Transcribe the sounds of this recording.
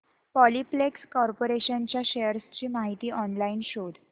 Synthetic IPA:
pɔliplekskɔɾpoɾeɕənt͡ɕjaɕejəɾst͡ɕiːmaɦit̪iːʔɔnlainɕoɽ

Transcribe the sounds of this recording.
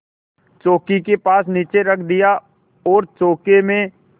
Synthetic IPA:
t͡ʃoːkikepaːsniːt͡ʃeɾəkʰd̪ɪja | ɔːɾt͡ʃoːkemẽ

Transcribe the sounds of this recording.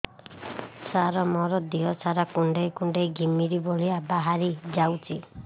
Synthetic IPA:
saɾɔmɔɾɔd̪iɦɔsaɾakuɳɖejkuɳɖejɡimiɾiboliabaɦaɾid͡ʒawt͡ʃʰi

